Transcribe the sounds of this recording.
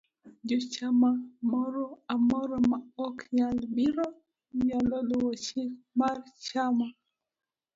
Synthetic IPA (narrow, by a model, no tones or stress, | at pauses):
d͡ʒɔt͡ʃamamɔɾɔamɔɾɔmaɔkɲalbiɾɔ | ɲalɔlʊwɔt͡ʃɪk | mart͡ʃama